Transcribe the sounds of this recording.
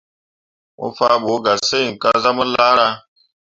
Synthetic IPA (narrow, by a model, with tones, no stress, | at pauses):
mṵ˦fa˦ɓo˨˦ɡa˨se˦i˨ŋ˨ka˦za˦mu˦la˦ɾa˦